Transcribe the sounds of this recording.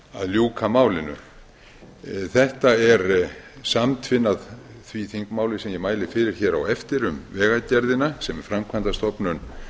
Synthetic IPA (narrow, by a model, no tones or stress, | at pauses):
a̰ðljuːkʰamaːwlɪnʏ̰ | θɛht̪aɛɾsamt̪ʰvɪnːaðθviθiŋkmaːwlɪ̥sɛmjɛmaːjlɪfɪːɾɪɾ̥çɛːɾawɛft̪ɪɾʏmvɛːɣacɛɾðɪnasɛmɛɾ̥fɾamkʰvant̪ast̪ɔpnʏn